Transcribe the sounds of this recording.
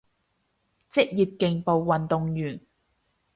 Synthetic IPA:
t͡sɪ˥k̚jiː˨p̚kɪ˨˧ŋpo˨˧wːɐ˨nt̪ʊ˨ŋjyː˨˩n

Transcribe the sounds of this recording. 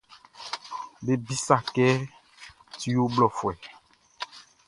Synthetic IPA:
be˦bi˦sa˨kɛ˦ | ti˦o˦blɔ˨fwɛ˨

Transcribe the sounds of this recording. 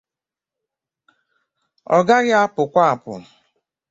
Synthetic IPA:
ɔ̰˨ɡa˦ɣja˦pʊ˨kʷa˦a˨pʊ̰˨

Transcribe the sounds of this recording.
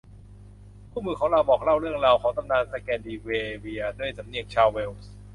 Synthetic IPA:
pʰuː˥˩mɯː˧kʰɔː˩˦ŋɾa˧wbɔː˨˩k̚ɾa˥˩wɾɯ˥˩əŋɾaː˧wkʰɔː˩˦ŋt̪a˧mnaː˧nsa˧kɛː˧ndiː˧weː˧wi˧ɐdu˥˩əjsa˩˦mni˧əŋt͡ɕʰaː˧wːeː˧ws

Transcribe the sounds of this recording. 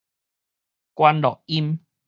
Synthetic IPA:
kwa˧nlɔ˨ʔ̚i˦m

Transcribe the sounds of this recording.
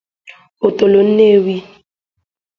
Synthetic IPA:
o˨to˨lo˨n̩˦ne˦˨wi˦

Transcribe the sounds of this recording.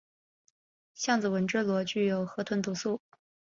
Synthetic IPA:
ɕjɑ˥˩ŋd͡zɹ̩˨˩wə˧˥nʈ͡ʂɻ̩˥˩lwɔ˧˥t͡ɕy˥˩jo˨˩ʊxɤ˧˥t̪ʰwə˧˥nt̪u˧˥su˥˩

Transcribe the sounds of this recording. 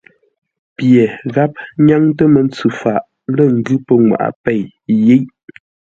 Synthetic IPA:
pje˨ɣa˦p̚ɲa˦ŋtə˦mə˨˦n˦t͡sʉ˨fa˨ʔ | lə˦˨ŋ̩˨ɡʉ˦pə˦ŋwa̰˨ʔa̰˨pɛ˦˨j | je˦ʔ

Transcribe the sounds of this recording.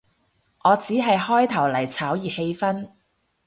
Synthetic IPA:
ŋɔː˨˧t͡siː˨˥ɦɐ˨jhɔː˥jt̪ʰɐ˨˩wlɐ˨˩jt͡sʰaː˨˥wjiː˨˩he˧jfɐ˥n

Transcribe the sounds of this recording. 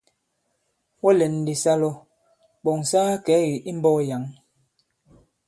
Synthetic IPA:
wɔ˦lɛ˨n˨di˨sa˦lɔ˦ | ɓɔ˨ŋsaː˦kɛ˨˦wi˨ʔi˦m˦bɔː˦ja˨˦ŋ

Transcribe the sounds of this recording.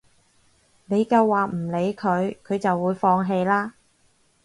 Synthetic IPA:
ne˨˧jkɐ˧wːaː˨˩m̩˨˩le˨˧jkʰɵ˨˧ɥkʰɵ˨˧ɥt͡sɐ˨wːuː˨˧˥jfɔː˧ŋɦe˧jlaː˥

